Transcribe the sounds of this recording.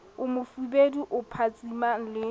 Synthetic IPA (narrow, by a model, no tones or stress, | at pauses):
ʊmʊfubeduʔʊpʰat͡sʼiman̩lɪ